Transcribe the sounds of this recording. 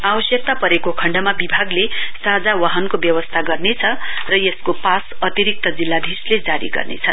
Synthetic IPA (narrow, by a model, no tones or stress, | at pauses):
abʌsjʌk̚t̪apʌɾekokʰʌɳɖʌmabibʱaɡlesad͡zawaɦʌnkobjʌwʌst̪ʰaɡʌrnet͡sʰʌrʌjeskopasʌt̪iɾik̚t̪ʌd͡zilːad̪ʱisled͡zaɾḭɡʌ̰rnḛt͡sʰʌ